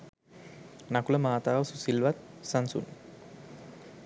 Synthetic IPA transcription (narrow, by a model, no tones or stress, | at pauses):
nakuləmaːt̪aːʋəsusilʋat̪̚sansṵnː